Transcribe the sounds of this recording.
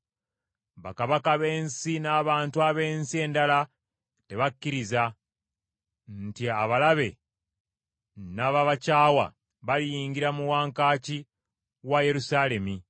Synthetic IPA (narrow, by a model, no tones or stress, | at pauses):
βa̰kaβakaβe̞ːnsinaːβaːntuaβe̞ːnsie̞ːndala | te̞βakːiɾiza | ntiaβalaβe̞ | naβaβacaːwa̰ | βalijiːŋɡiɾamuwaːŋkaːci | waje̞ɾusaːle̞mi